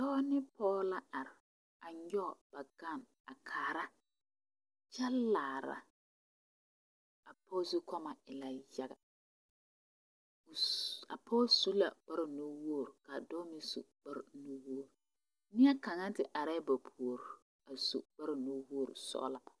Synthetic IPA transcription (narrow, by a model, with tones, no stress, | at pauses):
dɔː˦nɪ˦pʰɔː˦la˦ʔa˨ɾɪ˨ | a˨ɲ˦ɔ˦˨b̥a˨ɡa˦˨n | a˨kʰaː˨ɾa˦ | t͡ʃa˦laː˨ɾa̰˨ | a˨pʰɔ˦su˦kɔ˦ma˨ɪ˨la˨ja˨ɡa̰˨ | a̰˨pʰɔː˦su˦la̰˨k͡pa˦ɾɪ˨no˦wo˦o˦˨ɾka˨dɔː˦mi˦sṵ˨k͡pa˦ɾno˦wo˦o˦˨ɾ | nɪ˦a˦ka˨ŋa˦n˦tɪ˨ʔa˨ɾɛ˦ba˨pʰu˨o˨ɾ | a˨sṵ˨k͡pa˦ɾno˦wo˦o˦˨ɾʊ̰˨sɔ̰ː˦la˦a˨